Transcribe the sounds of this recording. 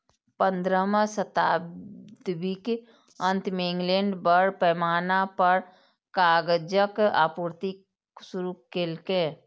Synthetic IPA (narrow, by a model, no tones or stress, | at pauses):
pə̃nd̪ɾəmãsət̪aːbd̪bik | ə̃nt̪mẽŋɡleːɳɖbəɽpɛːmaːnapəɾ | kaːɡd͡ʒəka̰ːpuːɾt̪i | suɾukelkeː